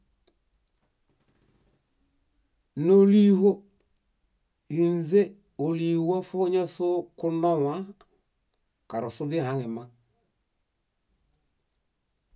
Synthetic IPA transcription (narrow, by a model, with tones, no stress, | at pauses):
no˦li˦ɦo˦ | i˨n˦ze˦ | o˨li˨wa˦fo˦ɲa˦so˦ku˦na˦wa˦ | ka˨ɾo˨su˦di˦˨ha˨˦ŋɛ˨ma˦